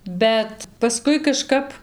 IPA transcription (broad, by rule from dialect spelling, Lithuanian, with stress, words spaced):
ˈbʲɛt pɐˈskʊɪ kɐˈʃkɐp